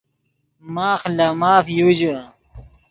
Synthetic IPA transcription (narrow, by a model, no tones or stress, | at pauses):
maːxlamaːfjud͡ʑə